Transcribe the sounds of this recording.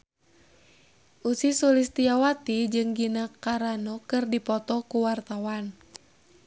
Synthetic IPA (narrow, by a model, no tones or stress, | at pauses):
ʔusisulist̪iawat̪id͡ʒɨŋɡinakaɾanɔkɨrdipɔt̪ɔkuwart̪awan